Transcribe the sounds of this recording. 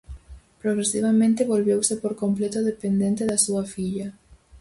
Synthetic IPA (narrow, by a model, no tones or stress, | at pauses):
pɾoɣɾesiβamẽnt̪ɪβolβewsepoɾkomplet̪oðepend̪ent̪eðasuɐfiʎɐ